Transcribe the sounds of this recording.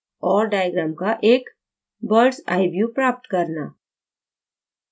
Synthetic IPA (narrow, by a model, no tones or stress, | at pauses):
ɔːɾɖaːjɡɾaːmkaʔeːk | bəɾɖsa̰ːɪbjupɾaːp̚ʈkɐɾna̰ː